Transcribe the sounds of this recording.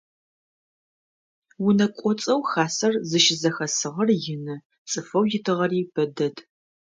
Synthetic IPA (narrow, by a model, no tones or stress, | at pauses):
wʊnɐkʷʼɔt͡sʼɐwxaːsɐrzɨʃɪzɐxɐsɨʁɐrjɪnɨ | t͡sʼɨfɐwjɪtʰɨʁɐriːb̥ɐdɐd